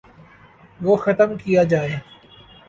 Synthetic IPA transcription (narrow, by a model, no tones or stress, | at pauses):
ʋoːxɐt̪əmkijad͡ʒaːeː